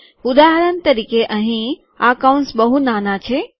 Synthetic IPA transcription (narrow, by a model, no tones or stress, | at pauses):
ud̪aɦəɾənt̪əɾikeʔə̃ɦĩ | a̰kaũnsbəɦunaːnat͡ʃʰe